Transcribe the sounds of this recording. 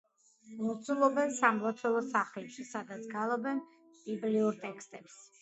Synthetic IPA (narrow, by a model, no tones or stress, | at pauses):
mɔt̪sʰulˠɔbɛnsamlˠɔt̪ʰɛlˠɔsaχlɛpʃisad̪at̪sɡalˠɔbɛn | b̥ibliuɾt̪ʼɛkʰst̪ʼɛps